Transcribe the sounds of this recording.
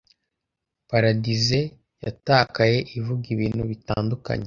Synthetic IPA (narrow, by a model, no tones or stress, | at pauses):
paɾadize | ja̰taːkaje̞ʔivuɡiβiːnhuβita̰ːnduka̰ɲe